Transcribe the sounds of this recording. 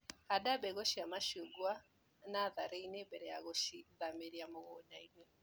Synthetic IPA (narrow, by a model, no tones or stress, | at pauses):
adabɛɣoʃiamaʃuɡwa | naðaɾeinɛbɛɾɛjaɣoʃiðameɾiamoɣɔɲainwɛ